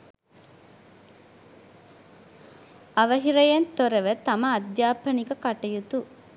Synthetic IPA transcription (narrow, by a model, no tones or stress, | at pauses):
ɐʋɐɦiɾɐjɐnt̪oɾɐʋɐt̪ɐmɐːd̪jaːpːɐnikɐkɐʈɐjut̪u